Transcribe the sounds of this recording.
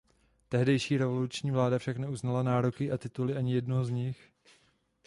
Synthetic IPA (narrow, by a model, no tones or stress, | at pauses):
t̪ɛɦdɛjʃiːɾɛvo̞lut͡ʃɲiːvlaːdafʃaknɛuznalanaːɾokɪʔat̪ɪt̪ulɪʔaɲɪjɛdnoɦozɲɪx